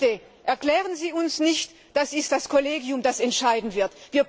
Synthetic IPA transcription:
e | ʔɛɐklɛːʁ̞ənziːʊnsnɪçt | d̥asɪst̚d̥askʰɔleːɡiʊmdasɛntʃaɪdn̩v̥ɪɐtviːɐ

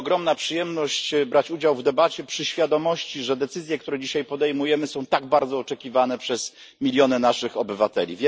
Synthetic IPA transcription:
ɔɡɾɔmnapʂɨjɛmnɔɕt͡ɕbɾat͡ɕud͡ʑawvd̪ɛbat͡ɕɛpʂɘɕfʲjad̪ɔmɔɕt͡ɕiʐɛd̪ɛt̪sɘzʲjɛkt̪uɾɛd͡ʑiɕajpɔd̪ɛjmujɛmɘsɔ̃w̃t̪aɡ̚baɾd̪zɔːt͡ʂɛkʲivanɛpʂɛz̥ | mʲilʲjɔnɛnaʂɘxɔbɘvat̪ɛlʲḭvʲjɛ

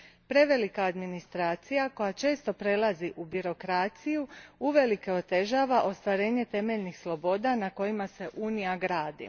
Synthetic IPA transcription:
pɾe̞ʋe̞likaːd̪minist̪ɾaːt̪sijako̞jat͡ʃe̞ːst̪o̞pɾe̞lˠaziʔubiɾo̞kɾaːt̪sijuuʋe̞like̞o̞t̪e̞ʒaːʋaʔo̞st̪ʋaɾe̞ːɲe̞t̪e̞me̞ʎnixslˠo̞bo̞ːd̪anako̞jimase̞ʔuːnijaɡɾaːd̪ḭ

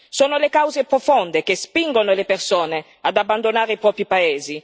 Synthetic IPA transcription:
soːnolekawzepɾofond̪ek̟espiŋɡonolepersoːne | ad̪abːand̪onaːɾeipɾɔːpɾipaeːzi

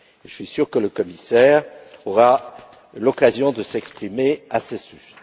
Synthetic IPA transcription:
eʒəsɥisyʁkələkɔmisɛːʁɔʁa | lɔkazjɔ̃d̪əsɛkspχimeasesys

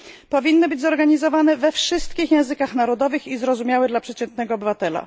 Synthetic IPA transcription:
pɔvʲinːɨbɘd͡ʑʲzɔɾɡaɲizɔvanɛvɛfʂɘst̪kʲixjɛ̃w̃zɘkaxnaɾɔd̪ɔvɘxizɾɔzumʲjawɘd̪lapʂɛt͡ɕɛnt̪̚nɛɡɔːbɘvat̪ɛla̰

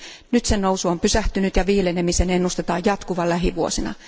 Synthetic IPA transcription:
nyt̪sennousuompysæht̪ynyt̪jɑʋiːlenemisenenːust̪et̪ɑːjjɑt̪kuʋɑllæɦiʋuosinɑ̰

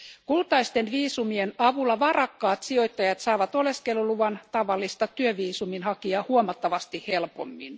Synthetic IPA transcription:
kult̪ɑist̪enʋiːsumienɑʋulːɑʋɑrɑkːɑːt̪sio̞jt̪ːɑjɑt̪sɑːʋɑt̪o̞leskeluluʋɑnt̪ɑʋɑlːist̪ɑt̪yøʋiːsuminhɑkiɑhuomɑt̪ːɑʋɑst̪ihelpo̰mːin

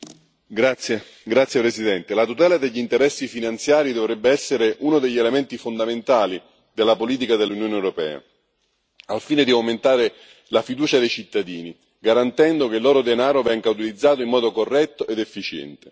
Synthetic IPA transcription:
ɡɾat̪sje | ɡɾat̪sːjepɾesid̪ɛnt̪elat̪ut̪ɛːlad̪eʎːint̪eɾɛsːifinant̪sjaːɾid̪ovɾɛbːeɛsːeɾeʔunod̪eʎːelemɛnt̪ifond̪ament̪aːli | d̪elːapoliːt̪̬ikad̪elːunjoːnewɾopɛ̰ːa̰ | alfiːned̪iawment̪aːɾe | lafid̪uːt͡ʃad̪ejt͡ʃit̪ːad̪iːni | ɡaɾant̪ɛnd̪ok̟elːoːɾod̪enaːɾovɛŋɡaut̪ilid̪zːaːt̪oimːɔːd̪okorːɛt̪ːoʔed̪efːit͡ʃɛ̰nt̪e

